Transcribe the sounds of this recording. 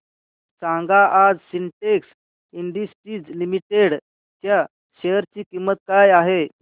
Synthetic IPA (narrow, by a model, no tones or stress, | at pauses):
sãŋɡaʔad͡zsiɳʈeks | iɳɖ̪isʈid͡zlimiʈeɽ | t̪ja | ɕeəɾt͡ɕiːkimːət̪̚kajaɦe